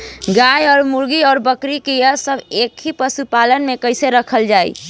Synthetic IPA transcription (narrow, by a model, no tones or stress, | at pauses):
ɡajɔːɾmuɾɡiɔːɾbəkɾikejəsəbʱekʰipəsupalənmekəɪseɾəkʰəld͡ʒaḭ